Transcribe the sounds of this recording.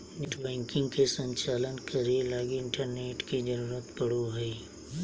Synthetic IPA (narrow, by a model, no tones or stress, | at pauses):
nɪʈbɛ̃ːŋkɪ̃ŋɡkesə̃ɲt͡ʃaːlənkɐɾilaːɡiɪɳʈəɾneːʈkid͡ʒəɾuːɾət̪pɐɽ̤oɦɛi